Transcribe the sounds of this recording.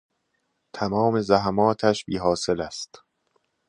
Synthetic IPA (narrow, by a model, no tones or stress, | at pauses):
t̪ʰæmɒːme̞zæɦæmɒːt̪ʰæʃbiːɦɒːse̞læst̪